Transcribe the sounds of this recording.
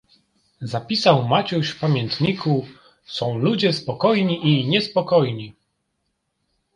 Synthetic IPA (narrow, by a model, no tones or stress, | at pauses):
zapʲisawmat͡ɕuɕfpamʲjɛnt̪ɲiku | sɔ̃w̃lud͡ʑɛspɔkɔjɲiʔiɲɛspɔkɔjɲi